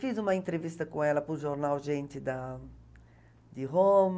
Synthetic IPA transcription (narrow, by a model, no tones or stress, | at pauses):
fizũmɐĩnt̪ɾevist̪ɐkũɛlɐpuʒoɾnawʒẽnt̪ɪd̪a | d̪iɦom